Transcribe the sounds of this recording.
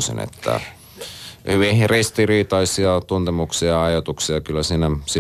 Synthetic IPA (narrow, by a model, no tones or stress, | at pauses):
sḭnḛt̪ːæ̰ | hyʋihrist̪iriːt̪ɑisiɑt̪unt̪emuksiɑɑjot̪uksiɑkylːæsiːnæsi